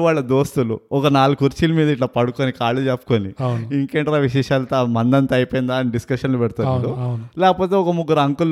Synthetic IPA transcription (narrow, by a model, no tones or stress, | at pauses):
ʋaːɭːɐd̪oːst̪ulṵɔkɐnaːlukuɾt͡ʃiːlmiːd̪ɐiʈlaːpɐɽukoːnikaːɭud͡ʒeːpːu̥koːniiŋkeɳʈɐɾaːʋiʂ̬ɛːʂaːlɐt̪amɐnd̪ɐnt̪ɐɐjpojind̪aːɐniɖiskɐʂɐnlupɛɽt̪uːɐd̪unlɛːkɐpoːt̪eɔkɐmuɡːuɾɐŋkul